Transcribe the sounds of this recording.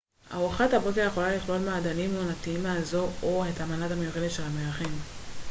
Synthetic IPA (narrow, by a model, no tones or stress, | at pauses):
a̰uaχathabo̞keʁjeχo̞laliχlo̞lmaːd̪animuanat̪iimaazooetamaladamajuʁelet̪ʃelameaχen